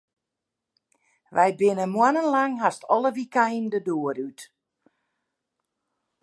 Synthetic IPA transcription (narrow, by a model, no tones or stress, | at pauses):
ʋɛjbɪnəmwanənlaŋɦastɔləʋikajndədoəɾyt